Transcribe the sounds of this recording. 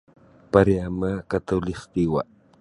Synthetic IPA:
paɾeamakat̪alɪχt̪iwa

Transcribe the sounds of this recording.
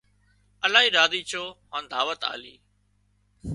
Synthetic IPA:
əlaːɦiːɾaːd̪iːt͡ʃʰoːɦãːnd̪aːʋət̪a̰ːlḭː

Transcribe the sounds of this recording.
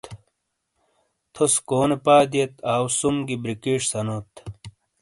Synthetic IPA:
t̪ | t̪ʰoskoːnepaːd̪iet̪aːwsumɡibɾikiːʂsɐnot̪

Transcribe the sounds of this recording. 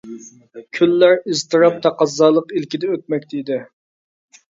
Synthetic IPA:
kʲʰylːæɾizt̪ʰɨɾɑp̚t̪ʰɑqɑzːɑːlˠəqilkʲɪd̪ɛøt̪̚mɛkʲt̪d̪ɪ

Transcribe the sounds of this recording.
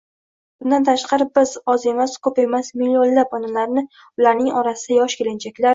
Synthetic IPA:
b̥ʊnd̪ant̪ʰaʃqʰɑɾɪbɪzɒze̞maskʰɵpe̞masmilʲːionlapɒnalaɾnɪ | ʊlaɾnɪŋɒɾasɪd̪̥ajɒʃkʲʰelɪnt͡ʃʰakʲlaɾ

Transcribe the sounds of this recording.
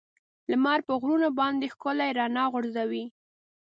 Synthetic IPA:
ləmɑɾpəɣɾunobɑnd̪exkʊlajeɾɑnɑɣʊɾzawi

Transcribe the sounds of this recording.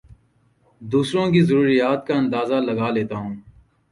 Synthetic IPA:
d̪uːsɾõːkizəɾuːɾijaːt̪̚kaɐ̃nd̪aːzalɐɡaːleːt̪aːɦũː

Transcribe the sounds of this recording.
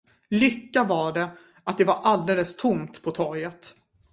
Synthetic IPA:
lʏkːavaɖɛ | at̪̚d̪ɛvaɾʔald̪eːləst̪ʰʊmt̪pʰɔt̪ʰɔɾjət̪

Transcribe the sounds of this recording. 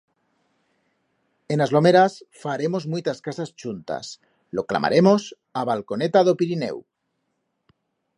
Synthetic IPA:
enazlo̞meɾasfaɾemozmujt̪askasast͡ʃunt̪a̰s | lokla̰mʔa̰ɾʔe̞mos | aβ̞alkonet̪aðopiɾinḛw

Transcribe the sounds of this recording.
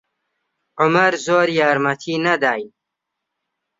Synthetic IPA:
ʕʊmɐɾzoːɾjaːɾmɐt̪ʰiːnɐd̪aːj

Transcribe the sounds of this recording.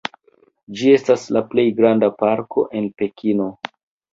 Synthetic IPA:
d͡ʒie̞staslaple̞jɡɾandapaɾkʰo̞̰ʔe̞npe̞kʰino̞

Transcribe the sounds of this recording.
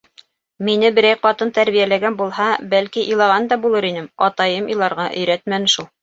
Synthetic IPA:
minɘbɘ̆ɾæjqɑt̪ɤnt̪æɾβijælæɡænbulˠhɑbælkiʔilˠɑʁɑnd̪ɑbulˠɤɾinɘmɑt̪ɑjɤmilˠɑɾʁɑʔɵ̆jɾæt̪mænɘʃulˠ

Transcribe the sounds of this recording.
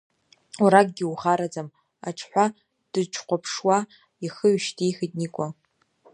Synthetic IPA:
uɾak̚ʼɡʲɪuχaɾad͡zam | a̰ʈ͡ʂʰħʷa | d̥ɨʈ͡ʂʰqʷapʰʂwa | iχəɥʃtʰijxɨdnikʷʼa

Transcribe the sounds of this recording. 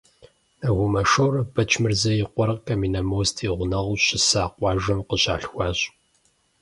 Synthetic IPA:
ɐɣʷʊmɐʃowrɐb̥ɐt͡ʃʰmɨrzɐjɪqʷɔrɐqkʰɐmiːnɐmoːstʰiːʁʷʊnɐʁʊɕɪsaːqʷɑːʒʷɐmqəɕa̰ːɬxʷɑːɕʼ

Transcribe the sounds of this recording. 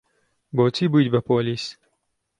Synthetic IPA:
boːt͡sibɨjd̪ʲbɐpoːlis

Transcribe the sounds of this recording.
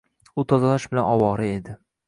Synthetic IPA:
ʊt̪ʰɒzalaʃbɪlanɒwɒɾɪe̞d̪ɪ

